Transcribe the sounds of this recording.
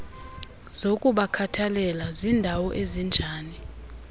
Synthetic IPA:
z̥okʼuɓakʰatʰalɛlazindʱawɔʔezind͡ʒʱaːni

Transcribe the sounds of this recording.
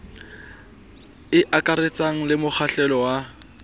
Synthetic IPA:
ɪʔakʼaɾɪt͡saŋ̩lɪmʊk͡xʰaɬɛlɔwa

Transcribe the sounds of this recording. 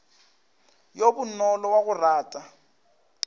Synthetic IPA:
jobʊnɔlɔwaɣʊraːtʼa

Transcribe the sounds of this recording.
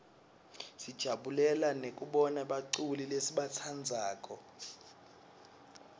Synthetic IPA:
sid̥ʒ̥ʱaɓulɛlanek̬ʼuɓɔnaɓaǀulilesiɓat͡sʰand͡zʱaːkʼɔ

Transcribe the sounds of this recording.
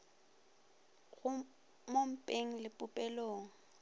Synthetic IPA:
ɣʊ | mom̩pʼeŋ̩lɪpʼʊpʼɛloːŋ̩

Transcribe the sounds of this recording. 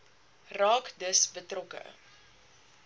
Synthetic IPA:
rɑːkdəsbətrɔkə̰

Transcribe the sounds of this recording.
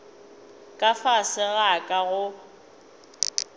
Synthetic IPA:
kʼafasɪɣakʼaɣʊ

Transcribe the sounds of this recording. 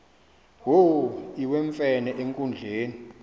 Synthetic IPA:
woiweɱfɛnɛʔeŋkʼund͡ɮʱeːni

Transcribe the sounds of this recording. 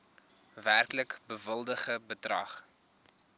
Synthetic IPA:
værkləkbəvəlˠdəχəbədrɐ̰χ

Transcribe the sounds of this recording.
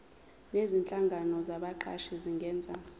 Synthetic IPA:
nezint͡ɬʼaŋɡʱanɔzaɓaǃa̰ʃiziŋɡʱɛːnd͡zʱa

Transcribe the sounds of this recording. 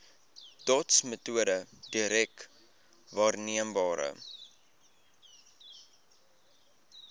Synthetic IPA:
tɔtsmətuədədiɾɛk | vɑːrniəmbɑːɾə̰

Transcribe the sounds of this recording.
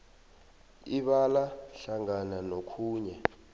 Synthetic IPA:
iɓalaɬaŋananokʰuːɲɛ

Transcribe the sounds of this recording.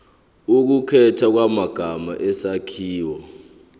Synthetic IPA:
uk̬ukʰɛtʰak̬wamaɡ̥ʱama̰ʔɛsakʰiːwɔ

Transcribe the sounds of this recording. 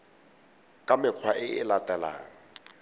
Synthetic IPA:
kʼamɪq͡χʰwaʔɪɪlatʼɛla̰ːŋ̩

